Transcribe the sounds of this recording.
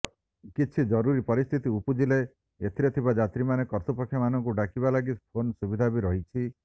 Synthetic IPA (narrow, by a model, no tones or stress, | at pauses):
kit͡ʃʰid͡ʒɔɾuɾipɔɾist̪ʰit̪iupud͡ʒile | et̪ʰiɾɔt̪ʰibad͡ʒat̪ɾimanekɔɾt̪upɔkʰːjɔmanɔŋkuɖakibalaɡipʰonsubid̪ʱabiɾɔɦit͡ʃʰi